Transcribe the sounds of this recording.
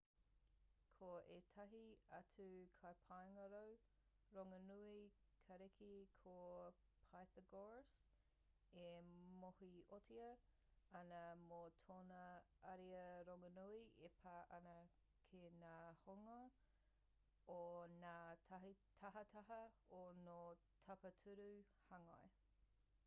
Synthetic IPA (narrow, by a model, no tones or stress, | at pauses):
kʰoetʰɐɦiɐt͡sʰʉkʰajpʰajŋɐɾow | ɾoŋɐnuikʰɐɾekʰikʰo | pʰajθəɡoɹs | emohiotʰiɐ | ɐnɐmotʰoːnɐɐɾiəɾoŋɐnuiepʰaːʔɐnɐ | kʰenaːhoŋɐ | onaːtʰɐɦitʰɐɦɐtʰɐɦɐono | tʰɐpɐtʰʉɾu | hɐŋɐe